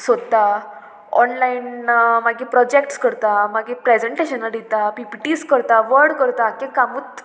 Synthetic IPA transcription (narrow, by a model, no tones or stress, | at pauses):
sod̪t̪a | ɔnlainmaɡĩpɾɔd͡ʑekʈskəɾt̪amaɡĩpɾed͡ʑeɳʈeɕənaɖit̪apipiʈiskəɾt̪aʋəɾɽkəɾt̪akẽkamuːt̪